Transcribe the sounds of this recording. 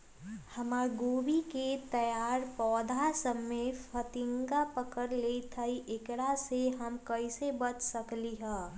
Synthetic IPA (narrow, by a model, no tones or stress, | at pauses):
hɐmaːɡoːbiket̪ɐjaːɾpɔːd̪ʱasəmːefʰət̪ɪŋɡapəkəɾleːit̪ʰəiʔɪkɽaseɦɐmkəisebɐt͡ʃsəkliɦɛ̃ː